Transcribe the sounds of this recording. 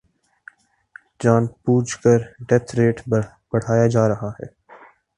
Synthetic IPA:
d͡ʒaːnpuːd͡ʒkəɾɖɛt̪ʰɾeːʈʰ | b̥ɐɽ̤aːjad͡ʒaːɾɐɦaɦɛ̰ː

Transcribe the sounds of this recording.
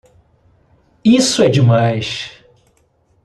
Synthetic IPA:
isʊɛd͡ʒimajʃ

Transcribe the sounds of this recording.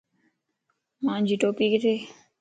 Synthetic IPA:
mãːnd͡ʒiːʈoːpiːkɪt̪ʰeː

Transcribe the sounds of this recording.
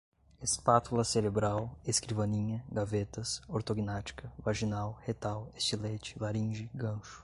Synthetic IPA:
espat̪ulɐseɾebɾaweskɾivɐnĩɲɐɡavet̪ɐsoɾt̪oɡinat͡ʃi̥kʰɐvaʒinawhet̪awest͡ʃilet͡ʃɪ̥laɾĩʒɪɡɐ̃ʃʊ̥

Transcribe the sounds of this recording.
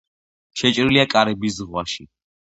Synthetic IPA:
ʃɛt͡ʃʼɾiliakʼaɾɛbis̬zʁwaʃi

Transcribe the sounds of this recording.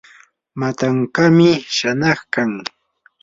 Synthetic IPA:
mat̪aŋkamɪʃanɑχkaŋ

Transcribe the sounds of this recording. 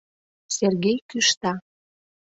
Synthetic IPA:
serɣejkyʃt̪ɑ

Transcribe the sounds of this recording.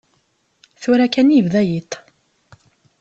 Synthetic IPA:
θuɾækænivðæjit̪

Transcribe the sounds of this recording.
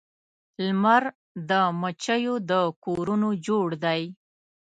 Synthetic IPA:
lmaɾ | d̪əmət͡ʃəjod̪əkoɾunod͡ʒoɽd̪aj

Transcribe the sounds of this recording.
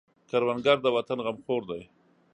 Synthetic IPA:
kaɾwanɡaɾd̪əwat̪anɣamxoɾd̪aj

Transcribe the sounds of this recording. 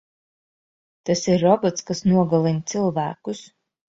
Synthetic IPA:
t̪asiɾːɔbɔt̪skasnuɔɡalˠinʲt̪sɨlˠvæːkus

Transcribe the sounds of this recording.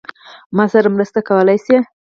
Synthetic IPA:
mɑsaɾamɾəst̪akawəlajse

